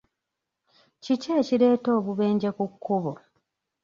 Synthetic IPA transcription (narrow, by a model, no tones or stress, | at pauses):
ciceːciɾeːto̞ːβuβe̞ːɲɟekukʰːuβo